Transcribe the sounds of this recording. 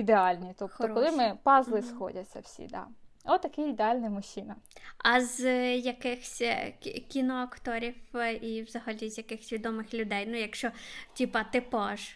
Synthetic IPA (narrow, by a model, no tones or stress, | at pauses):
id̪eɑlʲnʲit̪ɔpt̪ɔɾkɔlˠɪmɪpɑzlˠɪsxɔ̰dʲɐt͡sʲːɐ̰wsʲḭd̪ɑ̰ | ɔt̪ːɐkɪid̪eɑlʲnɪmʊʃinɐɐzjɐkɪxsʲkʲinɔɐkt̪ɔɾʲiwiwzɐɦɐlʲizjɐkɪxsʲʋʲid̪ɔmɪxlʲʊd̪ɛjnʊjɐkʃt͡ʃɔtʲipɐt̪ɪpɔʒ